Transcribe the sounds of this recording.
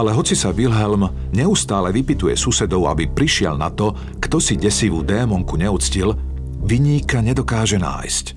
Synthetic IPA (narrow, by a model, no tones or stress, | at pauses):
alɛɦɔt͡sisaʋilɦɛlm | ɲɛust̪aːlɛʋipit̪ujɛ̰susɛd̪ɔʊa̰bipɾiʃɪɛ̰lna̰t̪ɔ | kt̪ɔsiɟɛsiʋud̪ɛːmɔŋkuɲɛut͡scil | ʋiɲiːkaɲɛd̪ɔkaːʒɛna̰ːjsc